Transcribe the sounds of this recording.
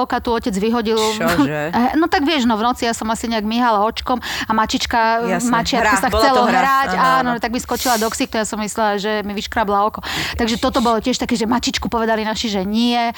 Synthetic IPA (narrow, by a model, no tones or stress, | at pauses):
kat̪uɔcɛd͡zʋiɦɔɟil | ɛnɔt̪aɡʋɪɛʒnɔvnɔt͡sijasɔmasiɲɛaɡmiɦalaɔt͡ʃkɔmamat͡ʃit͡ʃkamat͡ʃɪakɔsaxt͡sɛlɔɦɾacanɔnt̪aɡmiskɔt͡ʃilad̪ɔksikt̪ɔjasɔmːislɛlaʒɛmiʋiʃkɾablaɔkɔt̪aɡʒɛt̪ɔt̪ɔbɔlɔcɪɛʃt̪akɛːʒɛmat͡ʃit͡ʃkupɔʋɛd̪alinaʃiʒɛɲɪɛ